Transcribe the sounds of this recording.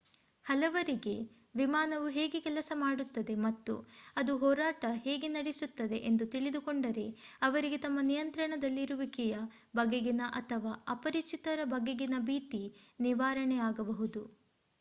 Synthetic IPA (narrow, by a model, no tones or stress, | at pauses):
hɐlɐʋɐɾiɡe̞ | ʋimaːnɐʋuɦeːɡekɛlɐsɐmaːɽut̪ːɐd̪e̞mɐt̪ːṵɐd̪uɦɔːɾaːʈɐɦeːɡenɐɽisut̪ːɐd̪e̞ʔend̪ut̪iɭid̪ukoɳɖɐɾe̞ɐʋɐɾiɡe̞t̪ɐmːɐnijɐnt̪ɾɐɳɐd̪ɐlːiɾuʋikijɐ | bɐɡeɡinɐʔɐt̪ʰɐʋaːɐpɐɾit͡ʃit̪ɐɾɐbɐɡeɡinɐbiːt̪iniʋaːɾɐɳɛaːɡɐbɐɦud̪u